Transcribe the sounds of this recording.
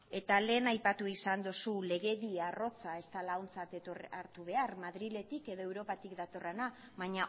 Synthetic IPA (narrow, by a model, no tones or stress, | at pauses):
e̞t̪ale̞ːnajpat̪uisand̪osule̞ɣe̞ðiaro̞t͡sae̞st̪alawnt͡sat̪et̪oraɾt̪uβe̞armaðɾile̞t̪ike̞ðo̞ewɾo̞pat̪ikd̪at̪o̞re̞na | βaɲa